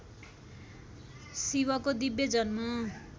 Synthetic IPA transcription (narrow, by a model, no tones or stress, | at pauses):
siβʌkod̪ibjed͡zʌnma